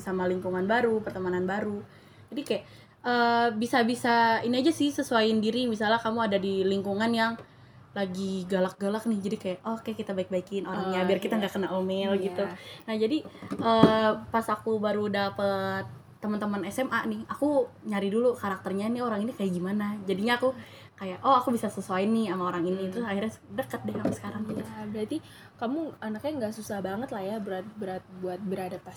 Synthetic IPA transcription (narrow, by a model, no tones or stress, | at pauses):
samaliŋkuŋanbaɾupərt̪əmananbaɾu | d͡ʒadikajaʔ | əbisabisainiad͡ʒasɪhsəsuaɪndiɾimisalɲakamuadadiliŋkuŋanjaŋ | laɡiɡalak̚ɡalak̚nɪhd͡ʒadikajaʔɔhkajakit̪abaɪk̚baikɪnoɾaŋŋɲaabɪrkit̪aŋɡaʔkənaʔomɛlɡit̪unahd͡ʒadiəpasakubaɾudapət̪̚ː | əmənt̪əmənɛsɛmʔaʔnɪhakuɲaɾidulukaɾak̚t̪ərɲanɪoɾaŋinikajaʔɡimanad͡ʒadiɲaːku | kajaʔʔoakubisasəsuaɪnːɪhamaoɾaŋinit̪əɾʊsahirɲadəkət̪̚dɛhkamusə̥kaɾaŋabəɾat̪i | kamuanakɲaŋɡaʔsusahbaŋət̪lahjabəɾat̪̚bəɾat̪̚buat̪̚bəɾadapas